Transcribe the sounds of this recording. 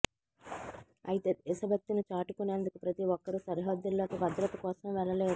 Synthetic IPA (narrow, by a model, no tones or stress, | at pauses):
ɐ̰jit̪eisɐbɐt̪ːinut͡ʃaːʈikuneːnd̪ukupɾɐt̪iʋɔkːɐɾusɐɾɦɐd̪ːulːoːkubɐd̪ɾɐt̪ɐkɔːsɐmʋɛlɐleː